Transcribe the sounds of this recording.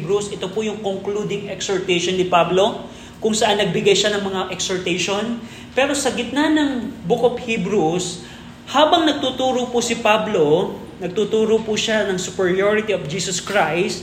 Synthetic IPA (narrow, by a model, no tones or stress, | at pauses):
bɾusɪt̪opʊjʊŋkoŋklud̪ɪŋɛksoɹt̪ɛʃonːɪpablo̞ | kʊŋsɐʔanːɐɡ̚bɪɡajʃanɐŋmɐŋaʔɛksoɹt̪ɛjʃon | pɛːɾo̞sɐɡɪt̪̚nanɐŋbʊkop̚hibɾus | haːbɐŋnɐɡ̚t̪ut̪uːɾopʊsɪpablo | nɐɡ̚t̪ut̪uːɾopuʃanɐŋsʊpɛɹioɹɪt̪iofd͡ʒiːsɐskɹajst̪̚